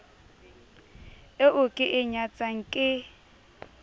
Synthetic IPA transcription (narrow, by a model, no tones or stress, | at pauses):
eʔʊkʼɪʔɪɲat͡sʼaŋ̩kʼɪ